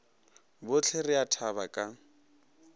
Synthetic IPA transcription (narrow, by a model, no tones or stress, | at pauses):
bʊt͡ɬʰerɪatʰabakʼa